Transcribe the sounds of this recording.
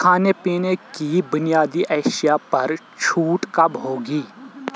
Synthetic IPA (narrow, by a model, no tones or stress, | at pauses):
kʰaːnepiːnekibʊnijaːd̪iʔɛːʃijapɐɾ | t͡ʃʰuːʈkɐbɦoːɡiː